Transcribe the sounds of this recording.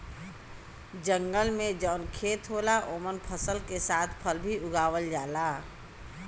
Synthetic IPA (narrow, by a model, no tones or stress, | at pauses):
d͡ʒə̃ŋɡəlmẽd͡ʒɔːnkʰeːt̪ɦoːlaʔoːmənpʰəsəlkesaːt̪ʰpʰəlbʱiʊɡaːʋəld͡ʒaːlaː